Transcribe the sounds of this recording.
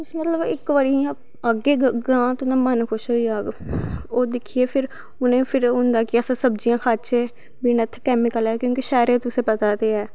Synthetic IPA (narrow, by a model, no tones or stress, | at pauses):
ʊsmət̪ləbɪkʋəɾia | əɡːeːɡɾãːt̪ʊnãːmənkʰʊʃɦoiaːɡoːd̪ɪkʰieːpʰɪɾ | ʊnẽːpʰɪɾɦʊ̃nd̪aːkɪəsãːsəbd͡ʒijãːkʰaːt͡ʃeː | biːnət̪ʰkɛːmɪkəlɛːkjõːkiʃɛːɾeːt̪ʊsẽːpət̪aːt̪eːɛː